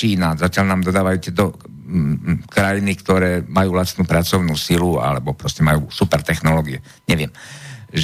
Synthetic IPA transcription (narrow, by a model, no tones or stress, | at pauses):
iːnazacɪalnaːmd̪ɔd̪aːʋajut̪ɪɛt̪ɔ | kɾajinikt̪ɔɾɛːmajuːlast̪nuːpɾat͡sɔʊnuːsilua̰lɛbɔpɾɔscɛmajuːsupɛɾt̪ɛxnɔlɔːɡiɛ | ɲɛʋɪɛm